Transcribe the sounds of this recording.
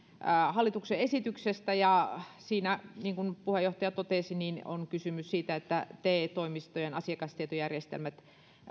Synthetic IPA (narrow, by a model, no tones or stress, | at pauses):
hɑlːit̪ukseesit̪yksest̪æjɑsiːnæniːŋkunpuhejoht̪ɑjɑt̪ot̪eˑsiniːno̰nkysymyssiːt̪æet̪ːæt̪eːt̪oimist̪ojenɑsiɑkɑst̪iet̪ojærjest̪ḛlmæt̪